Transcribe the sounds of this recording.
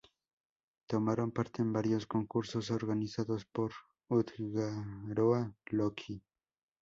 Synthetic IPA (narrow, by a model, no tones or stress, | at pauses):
t̪omaɾompaɾt̪embaɾjoskoŋkuɾsosoɾɡanɪsaðospoɾ | ʊt̪ɡaɾoalokʰi